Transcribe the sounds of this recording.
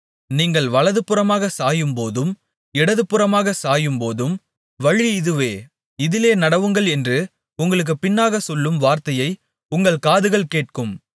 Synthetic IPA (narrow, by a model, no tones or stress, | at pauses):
niːŋɡɐɭʋɐɭɐðɯpːɯɾrɐmaːɣɐsaːjɯmpoːðɯm | ɪɽɐðɯpːɯɾɐmaːɣɐsaːjɯmpoːðɯm | ʋɐɻiɪðɯʋeː | ɪðɪleːnɐɽɐʋɯŋɡɐɭɛndrɯ | ʊŋɡɐɭɯk̬ːɯpɪnːaːɣɐsɔlːɯmʋaːɾt̪ɐjɐɪ | ʊŋɡɐɭkaːðɯɣɐɭkeːʈ̚kɯm